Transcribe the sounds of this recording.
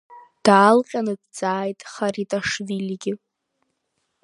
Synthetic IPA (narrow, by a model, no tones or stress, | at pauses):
d̥aːlqʲʼanɨdd͡zʼaːjtʼχaɾitʼaʂvilʲiɡʲɪ